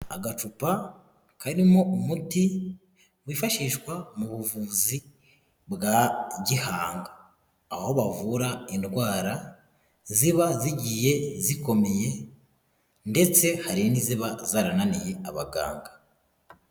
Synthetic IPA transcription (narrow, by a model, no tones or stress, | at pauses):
a̰ɡat͡ʃupa | kaɾimo̞umuti | wifaʃiːʃkwamuβuvuːzi | bɡaɟihaːŋɡaː | ho̞βavuɾaindɡwaːɾa | ziβaziɟije̞ziko̞meje̞ | nde̞t͡se̞haɾiniziβazaːɾananije̞aβaɡa̰ːŋɡḁ